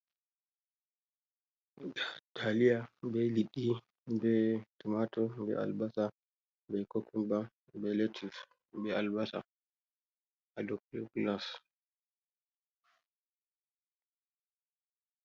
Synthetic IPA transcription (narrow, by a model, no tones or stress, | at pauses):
atʰalijabɛliɗi | bɛtumatɔbɛ̰ʔa̰lbasa | bɛkokʰumba | bɛletʰif | bɛalbasa̰ | adɔkluklas